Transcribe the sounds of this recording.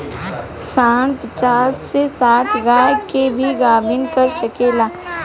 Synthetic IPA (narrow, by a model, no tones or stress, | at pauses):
saːɽ̃pət͡ʃaːsːesaːʈʰɡaːkebʱiɡaːbʱɪnkɐɾʃəkeːlaː